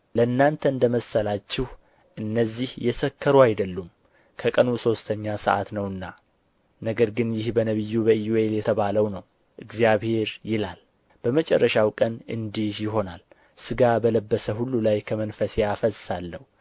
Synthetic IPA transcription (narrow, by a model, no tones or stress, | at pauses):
ləɨnːant̪ʰəɨnd̪əməsːəlat͡ʃːɪh | ʔɨnːəzːihjɛsəkʰːəɾuajd̪əlːum | kʰəkʼənuso̞st̪ʰəɲːasə̰ʔa̰t̪nəwɨnːa | nəɡəɾɡɨnjɪhbənəβɨjːubəjueeljɛt̪ʰəβaləwnəw | ʔɨɡzijaβhe̞ɾjɪlal | b̥əmət͡ʃʼɛ̰rːəʃawkʼənʔɨ̰nd̪ihjɪɦo̞nal | sɨɡabələbːəsəhulːulajkʰəmənfəsjafəsːalːəhu